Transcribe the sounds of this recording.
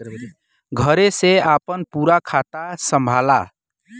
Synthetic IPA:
ɡʱəɾeseapənpuɾakʰat̪asəmbʱala̰

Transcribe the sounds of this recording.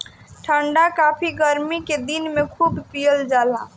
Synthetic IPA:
ʈʰəɳɖakapʰiɡəɾmiked̪inmekʰuːbpijəld͡ʒalã̰

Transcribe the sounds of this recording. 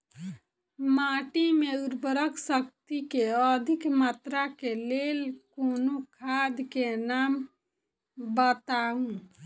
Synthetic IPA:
maʈimeuɾbəɾəksəkt̪ikeəd̪ʱikmat̪ɾakelelkonokʰad̪kenam | bət̪aɦũ

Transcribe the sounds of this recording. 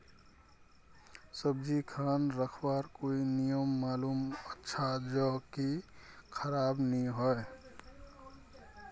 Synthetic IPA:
səb̚d͡ʒikʰaːnɾəkʰwaɾkoːinijəmːaːluːmətːʃʰad͡ʒɔkikʰəɾaːbniɦɔe

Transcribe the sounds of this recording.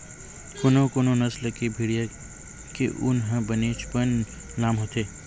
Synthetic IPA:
konokonõnɐslkebʱiɽija | kḛʔʊnɦə̃bəneːt͡ʃpən | laːmɦot̪eː

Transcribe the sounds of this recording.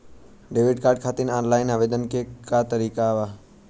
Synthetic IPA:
ɖeːʋɪɖ̚kaːɾɖ̚kʰaːt̪inaːnlaːɪnaʋeːd̪ənkʰekaːt̪əɾiːkaʋaː

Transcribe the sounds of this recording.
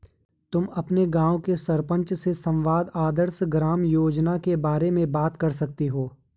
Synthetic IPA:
t̪ʊmɐpneɡãːwkesɐɾpə̃ɲt͡ʃsesɐ̃mʋaːd̪aːd̪əɾsɡɾaːmjoːd͡ʒnakebaːɾemẽbaːt̪kɐɾsɐk̚t̪eɦoː

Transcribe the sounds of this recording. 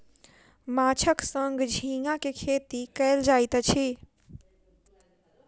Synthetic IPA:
mat͡ʃʰəksəŋɡd͡ʒʱĩŋakekʰet̪ikəɪld͡ʒajt̪t͡ʃʰi

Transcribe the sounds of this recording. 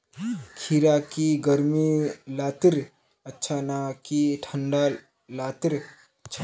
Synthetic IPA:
kʰiɾakiɡəɾmilaːt̪ɾ | ətːʃʰanakiʈʰəɳɖa | laːt̪ɾ | t͡ʃʰ

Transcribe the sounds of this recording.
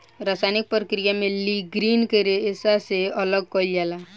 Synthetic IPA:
ɾasajnik̚pɾəkɾijameliɡɾiːnkəɾeːsaseələɡ̚kɔild͡ʒala

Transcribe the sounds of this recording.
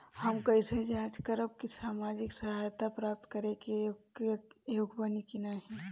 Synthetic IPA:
hɐmkɐised͡ʒeaːd͡ʒkəɾəb̚kisaːmaːd͡ʒɪksɐɦajt̪apɾaːp̚t̪kəɾẽke | joːɡbanikinaɦɛ

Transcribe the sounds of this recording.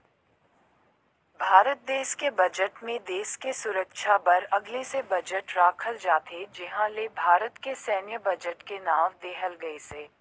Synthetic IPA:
bʱaːɾət̪̚d̪eːʃkebɐd͡ʒəʈmẽd̪eːʃkesʊɾəkʃapɐɾɐɡlesebɐd͡ʒəʈɾaːkʰəld͡ʒaːt̪ʰed͡ʒɪɦãlebʱaːɾət̪kesɛːnjəbɐd͡ʒəʈkenaːʋd̪eːɦəlɡɐeseː

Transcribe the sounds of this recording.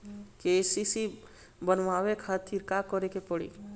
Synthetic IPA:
kesisi | bənʋawekʰat̪iɾkakɔɾekepɔɽḭ

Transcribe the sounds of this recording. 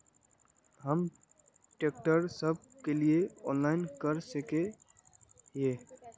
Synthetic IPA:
ɦəm | ʈeːk̚ʈəɾsəb̚kelieɔːnlaːɪnkəɾsəke | jeː

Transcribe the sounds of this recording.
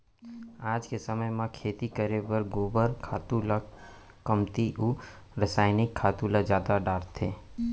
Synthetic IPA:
aːd͡ʒkesəməjmãkʰeːt̪ikəɾebəɾɡoːbəɾkʰaːt̪ula | kəmt̪iʔu | ɾəsaːɪnɪkʰːaːt̪ulad͡ʒjaːd̪aɖaːɾt̪ʰeː

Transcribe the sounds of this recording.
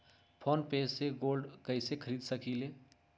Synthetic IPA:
pʰoːnpeːseɡoːlɖkəɪsekʰəɾiːd̪səkileː

